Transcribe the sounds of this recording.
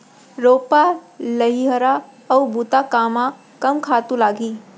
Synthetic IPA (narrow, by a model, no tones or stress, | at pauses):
ɾoːpaləɦiɦəɾa | ɐwbut̪akaːma | kɐmkʰaːt̪ũlaːɡiː